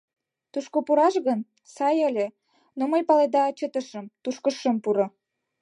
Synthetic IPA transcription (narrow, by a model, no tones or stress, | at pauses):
t̪uʃkopuɾɑʃɣən | sɑjəlʲe | noməjpɑled̪ɑt͡ɕət̪əʃəmt̪uʃkəʃːəmpuɾŏ